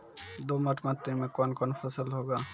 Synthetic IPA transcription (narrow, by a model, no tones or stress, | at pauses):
d̪oməʈʰmat̪ːimẽkɔnkɔnpʰəsəlɦoːɡaː